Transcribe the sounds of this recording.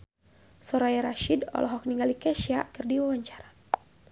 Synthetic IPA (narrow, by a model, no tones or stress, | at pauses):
sɔɾajɛɾaʃidɔ̰lɔɦɔk̚niŋɡalikɛʃiakɨrdiwawaɲt͡ʃaɾa